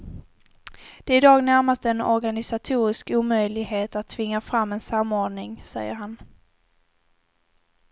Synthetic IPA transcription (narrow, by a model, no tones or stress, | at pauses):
d̪̥ɛɪd̪ɑːɡnæɾmast̪əɛnɔ̰ɾɡanɪsat̪ʰuːɾɪskuːmœjlɪɡɦeːt̪at̪ʰːvɪŋːafɾamːɛnsamːoːɖɳɪŋsɛ̰jːəɾɦan